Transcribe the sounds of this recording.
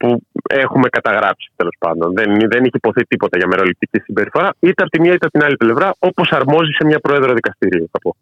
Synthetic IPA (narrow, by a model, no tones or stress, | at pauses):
pue̞xume̞kɐt̪ɐɣɾɐpsi̥t̪e̞lo̞spɐ̰nd̪o̞nðenðeniçepo̞θit̪ipo̞t̪ɐʝɐme̞ɾo̞lip̚t̪icisimbe̞ɾifo̞ɾɐit̪eɐpot̪imiɐit̪eɐpot̪inɐliple̞vɾɐo̞po̞sɐɾmo̞zise̞mɲɐpɾo̞eðɾo̞ðikɐst̪iɾioθɐpo̞